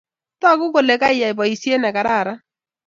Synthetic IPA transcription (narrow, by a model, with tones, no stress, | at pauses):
ta˦˨kʊ˦ko˨le˨ka˦ɪ˦ja˨i˨bɔ˨i˨sje˦nɛ˨ka˨ɾa˦˨ɾa˦